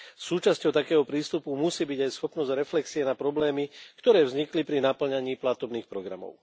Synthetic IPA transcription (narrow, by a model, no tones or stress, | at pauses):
suːt͡ʃascɔʊt̪akɛːɦɔpɾiːst̪upumusiːbiɟajsxɔpnɔzɟɾɛflɛksiɛnapɾɔblɛːmikt̪ɔɾɛːvzɲiklipɾinapl̩ɲaɲiːplat̪ɔbniːxpɾɔɡɾa̰mɔ̰ʊ